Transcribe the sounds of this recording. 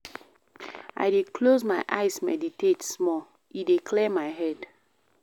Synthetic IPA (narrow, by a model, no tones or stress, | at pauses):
a̰ɪdeklozmaɪʔaɪsmɛ̰ditetsmɔl | idekʰlemaɪɦɛd